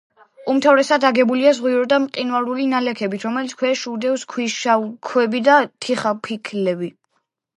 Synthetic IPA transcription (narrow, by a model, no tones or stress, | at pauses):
umt̪ʰavɾɛsad̪aɡɛbuliazʁwiɾɔd̪amqʼinwalulinalɛkʰɛbit̪ʰɾɔmɛlit̪sʰkʰwɛʃud̪ɛvskʰwiʃakʰwɛbid̪at̪ʰiχapʰikʰlɛbi